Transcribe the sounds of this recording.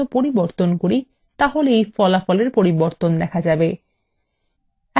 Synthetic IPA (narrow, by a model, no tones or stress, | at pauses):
opoɾiboɾt̪onkoɾi | t̪aɦoleejfɔlafɔleɾpoɾiboɾt̪ond̪ɛkʰad͡ʑabe | ɛ